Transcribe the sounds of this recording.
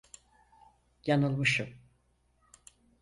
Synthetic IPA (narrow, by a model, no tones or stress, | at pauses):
janɯlˠmɯʃɯm